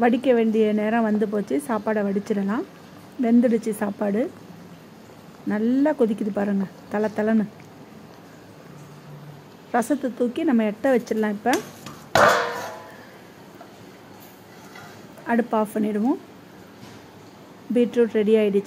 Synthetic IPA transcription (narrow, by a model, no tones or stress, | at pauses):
ʋɐɽɪkːɐʋeːɳɖɪjɐneːɾɐ̃ʋɐnd̪ɯp̬oːt͡ʃːɯsaːpaːɽɐʋɐɽɪt͡ʃːɪɾɐlãː | ʋɛnd̪ɪɽɯt͡ʃːɯsaːpaːɽɯ | nɐlːaːkɔðɪkːɪðɯpaːɾɯŋɡɐt̪ɐlɐt̪ːɐlɐnɯ | ɾɐsɐt̪ːɯt̪uːkːinɐmːɐɛʈːɐʋɐt͡ʃːɯɾlãːɪpːɐ | ɐɽɯpːaːɐɳːɪɽɯʋʊ̃ | biːʈɾuːʈɾɛɽɪjaːjɪɽɯt͡ʃː